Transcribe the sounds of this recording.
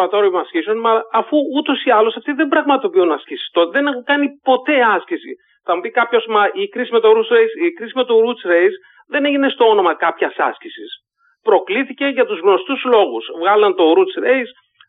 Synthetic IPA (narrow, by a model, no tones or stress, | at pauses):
ɐt̪oɾoimɐscisonmɐlːfuut̪o̞siɐlo̞sɐft̪iðe̞mbɾɐɣmɐt̪o̞piunɐscisi̥st̪ot̪eðe̞nexokɐnipo̞t̪e̞ɐscisḭ | θɐmupikɐpço̞smɐʔikɾisime̞t̪o̞ɾusɾejsikɾisime̞t̪oɾut͡sɾejs | ðe̞neʝine̞st̪o̞o̞no̞mɐkɐpçɐsɐ̰scisis | pɾo̞kliθice̞ʝɐt̪uzɣno̞st̪uzlo̞ɣusvɣɐlɐnt̪o̞ɾut͡sɾejs